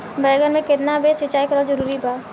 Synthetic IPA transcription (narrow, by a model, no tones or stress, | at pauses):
bɛːɡənmẽkɪt̪nabesʋɪt͡ʃaːikəɾod͡ʒɐɾuːɾibaː